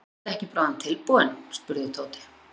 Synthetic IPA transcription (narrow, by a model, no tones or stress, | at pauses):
ɛhcɪpɾaːwðant̪ʰɪlpuðɛnspʏɾðɪt̪ʰoːwt̪ɪ̥